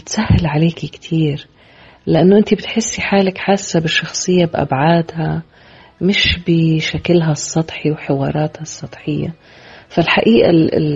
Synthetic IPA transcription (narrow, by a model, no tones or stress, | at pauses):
bɪt̪sahːɪlʕaleːkikt̪ʰiːɾ | lɪʔanːoʔɪnt̪ibɪt̪ħɪsːiħaːlakħaːsːabɪʃːɑxsˤɨjːabʔa̰bʕaːd̪ha | mɪʃbɪʃakɪlɦasˤːɑt̪ˤħiwħɪwɑːɾˤɑːt̪hɑsˤːɑt̪ˤħɪjːa̰ | falħaʔiːʔa̰